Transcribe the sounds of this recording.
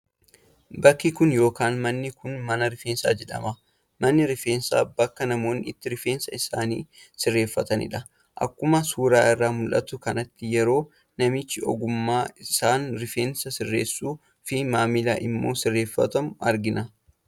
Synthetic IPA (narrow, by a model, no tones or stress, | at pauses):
bɐkːɪkʊnjo̞ːkaːnmɐnːɪkʊnmɐnɐɾɪfeːnsa̰ːd͡ʒɛᶑɐ̰mɐ | mɐnːɪɾɪfe̞ːnsa̰ːb̥ɐkːɐnɐmo̞ːnːɪɪt̪ːɪɾɪfe̞ːnsɐɪsaːnḭːsɪrːe̞ːfːɐt̪ɐnɪ̰ᶑɐ | ʔɐ̰kːʊmɐsuːɾaːɪrːaːmʊlʔɐt̪ʊkɐnɐt̪ːɪjɛɾo̞ː | nɐmɪt͡ʃːɪɔ̰ɡʊmːaːɪsaːnɾɪfeːnsɐsɪrːe̞̰ːsːuː | fɪmaːmɪla̰ːʔɪmːo̞ːsɪrːeːfːɐ̰t̪ɐmʊɐɾɡɪnɐ